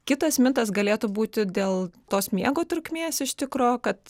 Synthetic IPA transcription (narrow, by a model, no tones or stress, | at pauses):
kʲɪt̪ɐsmʲɪnt̪ɐs̬ɡɐlʲeːt̪uːbuːt̪ʲɪd̪ʲeːlˠt̪oːsmʲiɛɡoːt̪ɾʊkʲmʲeːsɪʃt̪ʲɪkɾoːkɐt̪